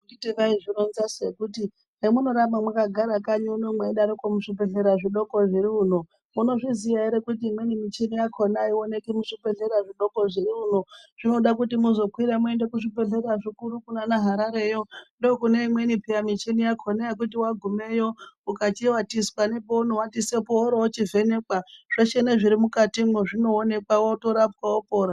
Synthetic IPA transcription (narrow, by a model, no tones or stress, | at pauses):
uitiʋaiʐinonzasekuti | nemuno̞ɾamamwakaɡʱaɾakaɲunomweɗaɾokomuʂipeɬe̞ɾaʐiɗo̞ko̞ʐiɾiuno | muno̞ʐizijaiɾekutiːmwe̞nimit͡ʃinijakʰo̞naio̞ne̞kimuʂipe̞ɬe̞ɾaʐiɗo̞ko̞ʐiɾiuno̞ʐ̥ino̞ɗak̬utimuzo̞kwiɾamue̞ndekuʐipe̞ɮe̞raʐikuɾukunanaɦaɾaɾe̞jo̞ndookuneimwe̞nipʰiamit͡ʃinijakʰonajek̬ut̬iwaɡʱume̞jo̞ukat͡ʃiwatiswanepoonowatisepooɾowot͡ʃive̞nekwaʐ̥at͡ʃeneʐiɾimukatimwoʐino̞ːne̞kwawoto̞ɾapwawopo̞ːɾa